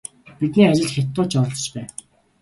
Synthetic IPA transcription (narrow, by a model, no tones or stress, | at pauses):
pit̪niːat͡ɕɪ̆ɮxʲet̪ːʊːt͡ɕɔɾɮɞ̥̆t͡ɕpæː